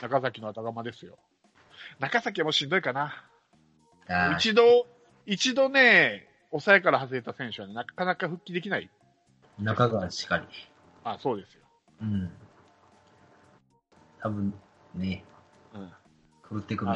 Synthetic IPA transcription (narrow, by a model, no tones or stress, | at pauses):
nakasakʲino̞at̪aɡamad̪e̞sɨjo̞̰ | nakasakʲiamoɕĩnd̪o̞ikana | ait͡ɕid̪o̞ | it͡ɕid̪o̞ne̞ | o̞saekaɾahazɨɾe̞t̪asẽ̞ɰ̃ɕɨβane̞nakanakaɸɯ̟kʲːid̪e̞kʲinaḭ | nakaɡaḁi̥kaɾʲi | aso̞ːd̪e̞sɨ̥jo̞ | ɯ̟̃ɴ | t̪ʰabɯ̟̃n | neɯ̟̃ɴ | kɯɾɯt̪ːekɯ̟